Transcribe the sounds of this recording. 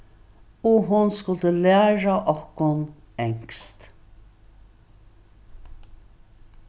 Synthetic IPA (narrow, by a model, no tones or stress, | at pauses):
ʊɦʊnskʊlt̪əlæːɹaʔɔhkʊn | ɛŋ̥kst̪